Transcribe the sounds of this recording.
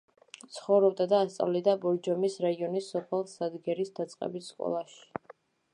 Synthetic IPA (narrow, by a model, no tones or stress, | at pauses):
t̪sʰχɔvɾɔb̚d̪ad̪aːst̪sʼa̰vlid̪abɔɾd͡ʒɔmisɾaiɔnisːɔpʰɛlˠsad̪ɡɛɾisd̪at̪sʼqʼɛ̰bisskʼɔ̰lˠaʃi̥